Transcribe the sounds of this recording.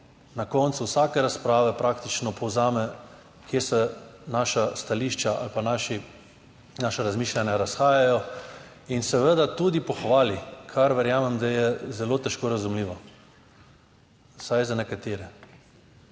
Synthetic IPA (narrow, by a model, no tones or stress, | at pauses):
nakɔnt̪suwsaːkɛɾaspɾaːʋɛpɾaːkt̪it͡ʃnɔpʰɔwzaːmɛ | kjesɛnaːʃast̪aliːʃt͡ʃaa̰lpanaʃi | naːʃaɾazmiːʃlʲanjaɾasxaːjajɔ | insɛʋəd̪at̪uːd̪ipɔxʋaːlikʰaɾʋɛɾjaːmɛmd̪ajɛzɛlot̪ɛʃkoːɾazumliːʋa | sajzanɛkat̪eːɾɛ